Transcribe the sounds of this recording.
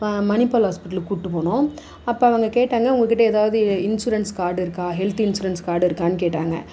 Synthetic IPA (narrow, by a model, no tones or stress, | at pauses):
mɐnɪpɐːlɦaːspɪʈːɐlkuʈːɯpoːɳõ | ɐpːoːɐʋɐŋɡɐkeːʈːaːŋɡɐʊŋɡɐkɪʈːɐɛðaːʋɐðɯɪnsuːɾɐnskaːɾɽɪɾɯkːãːɦɛlt̪ɪnsuːɾɐnskaːɽɪɾɯkːaːnːɯk̬eːʈːaːŋɡɐ̰